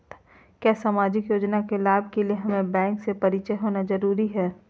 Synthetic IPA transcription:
t̪ | kjaːsaːmaːd͡ʒɪkjoːd͡ʒnakelaːb̚kelieɦɐmẽbɛ̃ːŋksepɐɾit͡ʃəɦoːnazɐɾuːɾiɦɛː

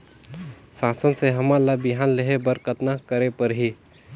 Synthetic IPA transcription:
saːsənseɦəmalabɪɦaːnleɦebəɾkət̪nakəɾepəɾɦi

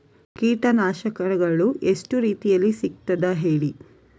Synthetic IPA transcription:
kiːʈɐnaːʃɐkɐɾɐɡɐɭuʔe̞sʈuɾiːt̪ijɐlːisik̚t̪ɐd̪ɐɦe̞ːɭi

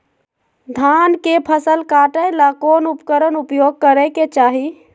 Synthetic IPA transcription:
d̪ʱankepʰəsəlkaʈəjlakonupkəɾənupjoɡ̚kəɾəket͡ʃaɦi

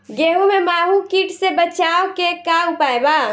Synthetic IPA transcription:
ɡeɦumemaɦũkiʈsebət͡ʃaokekaupaeba

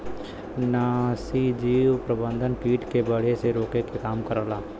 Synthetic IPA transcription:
naːsid͡ʒiːwpɾəbə̃nd̪ʱənpiːʈkebəɽeseɾoːkekekaːmkəɾəlaː

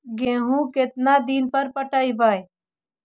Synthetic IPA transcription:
ɡẽːɦũːket̪naːd̪iːnpəɾpəʈaːiːbaːj

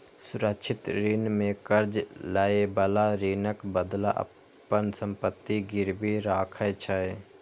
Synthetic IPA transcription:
sʊɾəkt͡ʃʰɪt̪ɾiːnmẽkəɾd͡ʒlaebəlaɾiːnəkbəd̪laʔə̰ənsə̃mpət̪ːiɡɪɾbiɾaːkʰəjt͡ʃʰəe

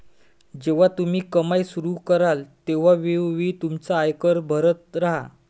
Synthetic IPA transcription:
d͡ʑeʋ̤at̪um̤iːkəmajsuɾukəɾalt̪eʋ̤aʋeʋʋiːt̪umt͡saːjkəɾbʱəɾət̪̚ɾaɦa̰

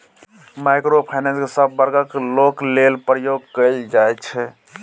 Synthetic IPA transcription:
majkɾopʰajnẽnskesəbːəɾɡəkloklelpɾəjoɡkəɪld͡ʒajt͡ʃʰɛ

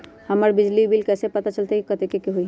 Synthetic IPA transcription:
həməɾbɪd͡ʒlibilkɛːsepət̪at͡ʃəlt̪ekikət̪ekekeɦoi

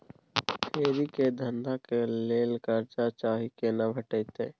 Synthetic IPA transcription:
hʰeːɾiked̪ʱənd̪akeleːlkəɾt͡ʃat͡ʃaːɦikenabʱəʈəjt̪ḛː

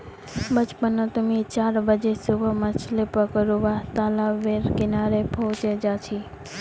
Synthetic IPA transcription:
bət͡ʃpənot̪əmit͡ʃaɾbəd͡ʒesubʱəmət͡ʃʰlepəkəɾuʋat̪alaʋeɾkɪnaɾepɔt͡ʃed͡ʒat͡ʃʰi

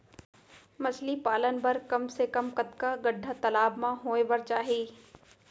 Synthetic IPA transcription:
mɐslipaːlənbɐɾkɐmsekɐmkɐt̪kaɡɐɖʱːat̪ɐlaːbmãɦoːebɐɾt͡ʃaːɦieː

